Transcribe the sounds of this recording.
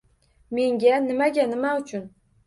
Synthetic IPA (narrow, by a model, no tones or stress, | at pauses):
me̞ŋɡʲanɪmaɡʲanɪmaʊt͡ʃʰʊn